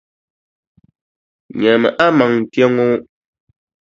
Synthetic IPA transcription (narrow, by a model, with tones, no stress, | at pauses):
ɲɛ˨mɛ̰˨ʔa˦ma˨ŋn̩˨tjɛ˦ŋo˦